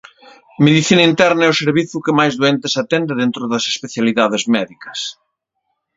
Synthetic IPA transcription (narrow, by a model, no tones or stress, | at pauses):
meðiθinɐint̪ɛɾnɐɛʊseɾβiθʊkɪmajzðoɛnt̪esat̪ɛnd̪ɪðent̪ɾʊðɐse̥speθjaliðaðezmɛðikɐ̥s